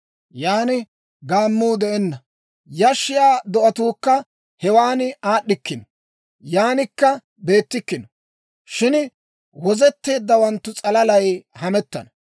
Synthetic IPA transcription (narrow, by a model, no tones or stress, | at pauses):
jaːnɪ | ɡaːmːuːd̪ɛʔɛnːɐ | jɐʃːɪjaːd̪ɔʔɐt̪uːkːɐ | hɛwaːnaːɗːɪkːɪnɔ | jaːnɪkːɐ | be̞ːt̪ːɪkːɪnɔ | ʃɪn | wɔzɛt̪ːe̞ːd̪ːɐwɐnt̪ːʊt͡sʼɐlɐlɐjhɐmɛt̪ːɐ̰nɐ